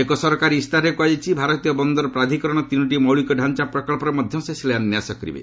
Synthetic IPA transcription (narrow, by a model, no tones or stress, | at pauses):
ekɔsɔɾɔkaɾiist̪aɾekuajit͡ʃʰibʱaɾɔt̪ijɔbɔnd̪ɔɾɔpɾad̪ʱikɔɾɔɽ̃ɔt̪inuʈ̬imɔwɭikɔɖʱant͡ʃapɾɔkɔɭpɔɾɔmɔd̪ʱjɔsesileanjasɔkɔɾḭbḛ